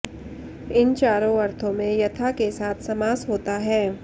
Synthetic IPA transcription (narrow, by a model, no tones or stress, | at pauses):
ɪnt͡ʃaːɾõɐɾt̪ʰõmẽjɐt̪ʰakesaːt̪ʰsɐmaːsɦoːt̪aɦɛː